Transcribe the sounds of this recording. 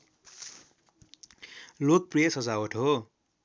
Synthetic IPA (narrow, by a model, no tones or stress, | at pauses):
lok̚prijʌsʌd͡zawoʈʰɦo